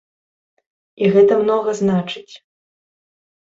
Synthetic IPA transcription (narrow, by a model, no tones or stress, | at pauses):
iɣɛt̪ɐmnɔɣɐznat͡ʂɨt͡sʲ